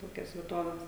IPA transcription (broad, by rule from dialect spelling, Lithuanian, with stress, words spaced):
ˈtoːkʲɛs ʋʲiɛˈtoːʋʲɛs